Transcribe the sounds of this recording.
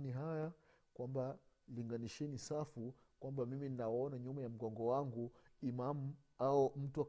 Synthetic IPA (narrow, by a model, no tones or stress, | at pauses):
niɦaja | kwambaliŋɡaniʃɛnisafu | kwambamimininawɔnaɲumajam̩ɡɔŋɡɔwaŋɡuimamu | aɔm̩tuak